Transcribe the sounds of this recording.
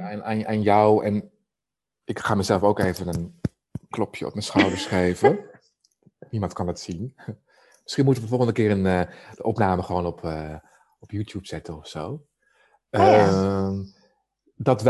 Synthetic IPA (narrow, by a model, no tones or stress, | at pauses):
naːnʔanjɔwɛn | ɪkχaːmɛjzɛlˠfowkejvənən | klɔpʰjə̰ɔ̰p̚mənsχawdəɹsχrejvə | nimɑntkɑndətsin | mɪsχinmutəəfər̩fɔlˠχəndəkɪːənəd̥əʔɔpnaːməχəʋoːnɔpʰə | ɔpjuːtjupsɛtənɔfsow | əm | dɑtʋ